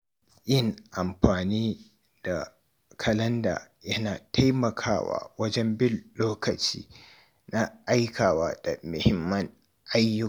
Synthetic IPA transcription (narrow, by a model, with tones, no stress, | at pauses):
ʔɪ˦ŋʔa˨mɸaː˨niː˦ | d̥a˨ | kʰɐ˨lɐ˦nda̰ː˨ | jɐ˦naː˨tʰa˦jmɐ˨kʰaː˦wa̰ː˨wɐ˦d͡ʒɛ˦mbɪ˦loː˦kɐ˨t͡ʃḭː˦ | na˦ʔa˦jkʰaː˨waː˦d̥a˨mʊ˨hɪ˦mːɐ˦ŋ | ʔa˦jːʊ˦˨